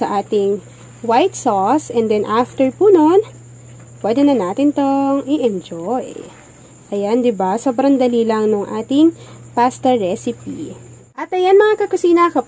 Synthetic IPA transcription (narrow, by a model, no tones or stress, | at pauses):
sɐʔaːt̪ɪŋ | wajt̪sosɛnd̪ɛnʔaft̪ɛɹpunon | pwɛd̪ɛnɐnaːt̪ɪnt̪oŋʔiʔɛnd͡ʒoj | ʔɐjand̪ɪbasoːbɾɐŋd̪ɐlilɐŋnʊŋʔa̰ːt̪ɪŋpast̪ɛɹɛsɪpḭ | ʔɐt̪ʔɐjanmɐŋakɐkʊsiːnɐkɐp